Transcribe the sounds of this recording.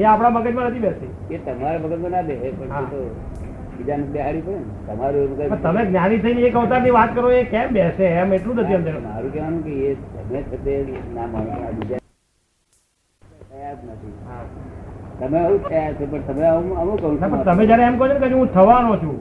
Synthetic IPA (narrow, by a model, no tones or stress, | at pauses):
jãapɽ̃abəɡət̪mãnət̪ʰibɛsi | ket̪əmaɾabəɡət̪mãnabɛsepəɳɦaet̪o | bid͡ʒanbɛɦaɽĩpəɽen | t̪əmaɾũmũkəpəɳt̪əmeɡnjanit̪ʰəiniekəʋt̪aɾniʋat̪̚kəɾoekɛ̃mbɛsemeʈlũnət̪iəmd͡ʒ̪ẽɾũkɛʋanũkeet̪ə̰met͡ʃʰət̪enamanʋanabid͡ʒa | əadnət̪ʰiɦa | t̪əmeəũtʰəat͡ʃʰepəɳt̪əmeəməmũkəɦũnapə̃t̪əmẽd͡ʒjaɾeːmkɔɦot͡ʃʰonkəd͡ʒẽɦũt̪ʰəʋanõt͡ʃʰũ